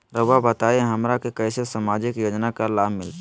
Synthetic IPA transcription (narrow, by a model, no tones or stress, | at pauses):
ɾəʋabət̪aeɦəmɾakekəɪsesamad͡ʒɪkjoːd͡ʒnakalaːbmɪlt̪